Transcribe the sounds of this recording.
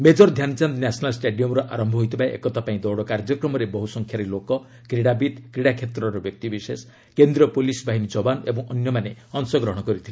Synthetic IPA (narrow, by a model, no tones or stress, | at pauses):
med͡ʒɔɾd̪ʱjant͡ʃand̪nasɔnalsʈeɖiɔmɾɔʔaɾɔmbʱɔɦojt̪ʰipaeʔḛkɔt̪apaĩd̪ɔwɽɔkaɾd͡ʒɔkɾɔmɔɾebɔɦusɔŋkʰjaɾilokɔ | kɾiɽabid̪kɾiɽakʰet̪ɾɔɾɔbjɔk̚t̪ibises | kend̪ɾiɔpolisbʱaɦinid͡ʒɔbanebɔŋɔnjɔmaneɔnsɔɡɾɔɦɔ̃ɽ̃ɔkɔɾit̪ʰile